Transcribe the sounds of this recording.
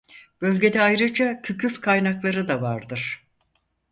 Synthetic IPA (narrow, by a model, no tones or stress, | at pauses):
b̥ø̞lʲɟe̞d̪ɛajɾɯd͡ʒacʰycʰyfkʰajnaklˠaɾɯd̪avaɾd̪ɯɾ̥